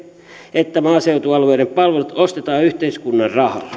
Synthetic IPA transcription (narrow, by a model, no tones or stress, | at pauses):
et̪ːæmɑːseut̪uɑlueːɾempɑlʋelut̪ost̪et̪ɑːyht̪eiskunːɑrrɑhɑ̰lːɑ